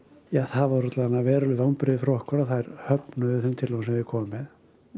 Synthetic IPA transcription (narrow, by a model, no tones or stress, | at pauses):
jaːθavɔɾɔt̪laðanːavɛːɾʏlʏðawnpɾɪðɪfɾɔhkɔɾaθajɾ̥hœpnʏðʏθʏmt̪ʰɪlɔkːnsɛmvɪðkʰɔːmʏmɛð